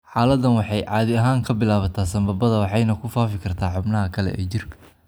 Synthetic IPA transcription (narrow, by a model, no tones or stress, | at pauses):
ħɑːlɐd̪ɐnwɑħɑjʕɑːðɪɐɦaːŋkʰɐbɪlaːβɐt̪ʰaːsɐmbɐbɐðɐwɑħɑjnɐkʰʊfaːfɪkʰɐrt̪ʰaːħʊbnɐɦɐkʰɐlɛ̰ʔɛ̰ːt͡ʃɪrkʰɐ